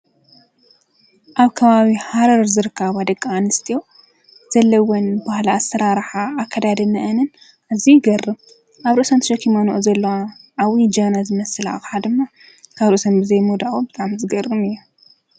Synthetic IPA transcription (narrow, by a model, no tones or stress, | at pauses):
ʔaβkʰɐβaβihaɾɐɾzɨɾɨkʰːaβad̪ɐkʼːaanɨst̪ʰijo̞ | z̥ɐlːɐwonbahlaasɐɾaɾħaːkʰːɐd̪ad̪ɐnɐʔɐnɨn | ʔaβzijɡɐrːɨm | ʔaβɾɨʔsant̪ʃɐkʰimanoʔozɐlːɐwaʕawid͡ʒɐnazɨmɐsɨla̰ʔħad̪ɨmːa | kʰaβɾosɐmbɨzɐjmud̪aʔʼobɨt̪ʼaʕmzɨɡɐrːɨmɨjːu